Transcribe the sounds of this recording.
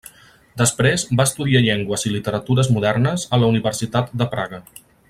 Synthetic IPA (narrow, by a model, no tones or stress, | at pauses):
d̪əspɾezbaəst̪uðiaʎeŋɡwəzilit̪əɾət̪uɾəzmuðɛrnəzələuniβərsit̪at̪̚d̪əpɾa̰ɣə